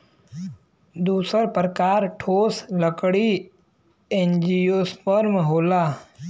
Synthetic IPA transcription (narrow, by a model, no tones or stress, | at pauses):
d̪uːsəɾpɾəkaːɾʈʰoːsləkɽi | end͡ʒijoːspəɾmɦoːlaː